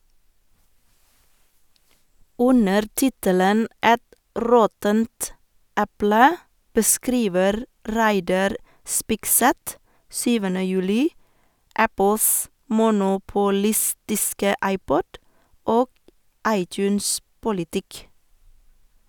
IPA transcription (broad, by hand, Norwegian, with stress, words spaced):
ˈʔʉnəɾ ˈtɪtələn ˈʔɛt ˈɾɔtənt ˈʔɛplə bəˈskɾiːʋəɾ ˈɾæɪdɑɾ ˈspɪkˌsɛt ˈsyːʋənə ˈjʉːlɪ ˈʔæpəls mʊnʊpʊˈlɪstɪskə ˈʔɑɪˌpɔd ˈoː ˈʔɑɪˌtjʉːnˌspʊlɪˌtɪk